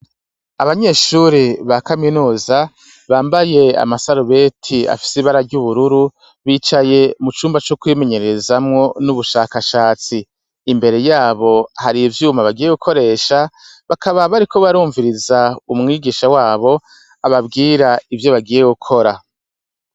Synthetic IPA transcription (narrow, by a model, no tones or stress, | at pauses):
aβaɲe̞ːʃuɾiβakaminuːza | βaːmbaje̞a̰masaɾuβe̞tʰia̰fi̥siβaɾaɾɟuβuɾuɾu | βiːt͡ʃaje̞mut͡ʃuːmbat͡ʃokuime̞ɲe̞ɾeezamŋo̞nuβuʃaːkaʃaːt͡siː | mbe̞ɾe̞jaːβo̞haɾivjuːmaβaɡiːje̞ɡukʰo̞ɾe̞ːʃaβakaβaβaɾikʰo̞βaɾuːɱviɾizaumŋiːɡiːʃawaːβo̞ | aβabɡiːɾaivjo̞βaɡiːje̞ɡukʰo̞ɾa